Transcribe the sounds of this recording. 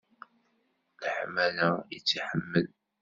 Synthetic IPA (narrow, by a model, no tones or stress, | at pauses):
lħmælæjət͡sːiħəmːəl